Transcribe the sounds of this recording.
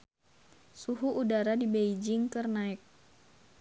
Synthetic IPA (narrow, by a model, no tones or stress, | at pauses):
suɦuʔːdaɾadibeid͡ʒɪŋkɨrnaɪk̚